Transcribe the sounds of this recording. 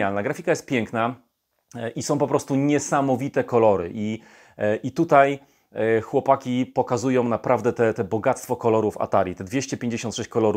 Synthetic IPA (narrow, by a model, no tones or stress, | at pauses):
alnaɡɾafʲikajɛst̪pʲjɛŋkna | ʔisɔ̃w̃pɔpɾɔst̪uɲɛsamɔvʲit̪ɛkɔlɔɾɘ̰ʔi | ʔit̪ut̪aj | xwɔpakʲipɔkazujɔ̃w̃napɾʔavd̪ɛt̪ɛt̪ɛbɔɡat̪st̪fɔkɔlɔɾufa̰t̪aɾʲjit̪ɛd̪vʲjeɕt͡ɕɛpʲjeɲd͡ʑeɕɔnt̪ʂɛɕt͡ɕkɔlɔɾu